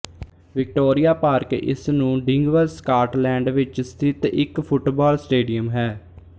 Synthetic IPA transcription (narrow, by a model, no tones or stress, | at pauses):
ʋɪk̚ʈoːɾijaːpaːɾkɪ̰snũːɖɪŋɡʋəɾskaːʈlɛ̃ːɳɖʋɪt͡ʃst̪ʰɪt̪ɪkpʰʊʈbaːlsʈeːɖijəmɦɛː